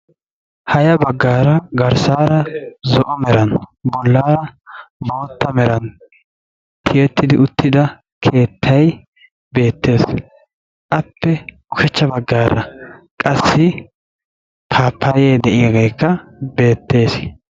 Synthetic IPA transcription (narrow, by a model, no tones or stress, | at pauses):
hɐjɐbɐɡːaːɾɐɡɐɾsaːɾɐzɔʔɔmɛɾɐnbɔlːaːɾɐbo̞ːt̪ːɐmɛɾɐn | t̪ʰɪjɛt̪ːɪd̪ɪʊt̪ːɪd̪ɐ | kʰe̞ːt̪ʰːɐj | be̞ːt̪ːe̞ːs | ʔɐpːɛ | ʊkɛt͡ʃːɐbɐɡːaːɾɐ̰ | kʼɐsːɪ | t̪ʰaːpʰːaːjeːd̪ɛʔɪjɐɡejkːɐbe̞ːt̪ːe̞ːs